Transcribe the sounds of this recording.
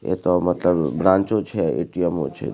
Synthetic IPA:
ḛt̪omət̪ləbbɾãɲt͡ʃot͡ʃʰeḛʈijəmo̰t͡ʃʰḛ

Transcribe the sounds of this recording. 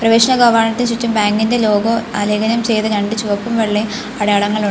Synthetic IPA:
prɐʋeːʂɐnɐɡɐʋɐrɳɐt̪ːinsut͡ɕːumbaːŋɡinde̞lo̞ːɡoɐleɡɐnɐmt͡ɕe̞jt̪ɨnɐɳɖit͡ɕuʋɐpːumʋeɭːe | ɐɽɐjɐɭɐŋːɐɭuɳ

